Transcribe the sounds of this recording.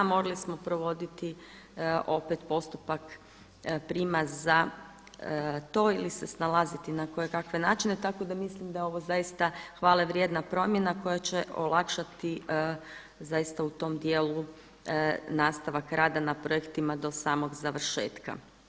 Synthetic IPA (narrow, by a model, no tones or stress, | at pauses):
mo̞ɾalˠismo̞pɾo̞ʋo̞d̪it̪i | ʔo̞pet̪po̞st̪upak | pɾimazza | t̪o̞ːilise̞snalˠazit̪inako̞jekakʋe̞naːt͡ʃine̞t̪ako̞d̪amislimd̪ajeo̞ʋo̞zajist̪axʋaːleʋɾje̞d̪napɾo̞mje̞nako̞jat͡ɕe̞ʔo̞̰lˠakʃat̪i | zajist̪aut̪o̞md̪jeːlu | naːst̪aʋakɾaːd̪anapɾo̞ekt̪imad̪o̞saːmo̞ɡzaʋr̩ʃe̞̰ːt̪ka̰